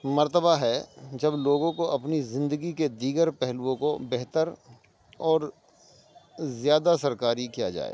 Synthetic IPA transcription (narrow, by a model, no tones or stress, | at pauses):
mɐɾt̪əbaɦɛd͡ʒɐbloːɡõkoɐpnizɪ̃nd̪əɡiked̪iːɡəɾpɛɦlwõkobɛɦt̪əɾ | ɔːɾ | zjaːd̪asɐɾkaːɾikija̰d͡ʒa̰ːḛː